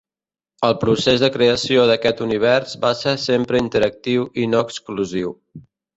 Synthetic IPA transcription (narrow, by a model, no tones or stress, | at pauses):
əlˠpɾusezðəkɾeəsioðəkɛt̪uniβ̞ɛɾzbaseɾsempɾəint̪əɾək̚t̪iwinoəkskluziw